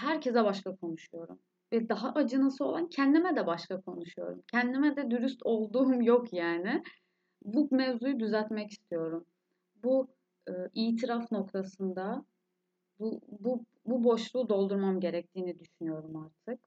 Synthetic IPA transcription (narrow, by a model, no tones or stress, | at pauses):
hæɾcʰɛzɛbaʃkakʰo̞nuʃujo̞ɾṵm | vɛd̪aɦaʔad͡ʒɯnasɯo̞lˠancʰɛnd̪imɛd̪ɛbaʃk̪akʰo̞nuʃujo̞̰ɾṵmcʰɛnd̪imɛd̪ɛd̪yɾyst̪ʰo̞lˠd̪uːmjo̞kʰjaːnɪ | bumɛvzujud̪yzælt̪mɛci̥st̪ʰijo̞ɾum | bu | ɯʔiːt̪ʰiɾafno̞kt̪ʰasɯnd̪a | bubu | bubo̞ʃlˠuːd̪o̞lˠd̪uɾmamɟe̞ɾɛc̚t̪ʰiːnid̪yʃynyjo̞ɾumaɾt̪ʰɯk̚